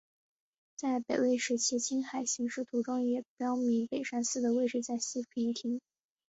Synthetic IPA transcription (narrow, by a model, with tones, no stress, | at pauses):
t͡sa˥˩ɪpe˨˩ɪwe˥˩ɪʂɻ̩˧˥t͡ɕʰɛ˧˥t͡ɕʰi˥nxa˨˩ɪɕi˧˥ŋʂɻ̩˥˩t̪ʰu˧˥ʈ͡ʂʊ˥ŋjɛ˨˩jɑ˥ʊmi˧˥ŋpe˨˩ɪʂa˥nsɹ̩˥˩d̪ə˩we˥˧ɪʈ͡ʂ̩˥˧t͡sa˥˩ɪɕi˥i˧˥ŋt̪ʰi˧˥ŋ